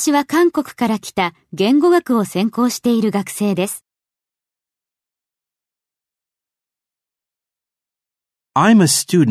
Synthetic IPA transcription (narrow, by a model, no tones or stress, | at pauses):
iβakãŋko̞kɯ̟̥kaɾakʲi̥t̪a | ɡẽ̞ŋɡo̞ɡakɯ̟o̞sẽ̞ŋko̞ːɕi̥t̪e̞iɾɯ̟ɡakɯ̟̥se̞ːd̪e̞sɨ̥ | ãɪ̃mɨstʉd